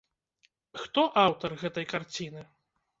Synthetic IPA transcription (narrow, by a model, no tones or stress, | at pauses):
xt̪ɔʔawt̪ɐrɣɛt̪ɐjkart͡sʲinɨ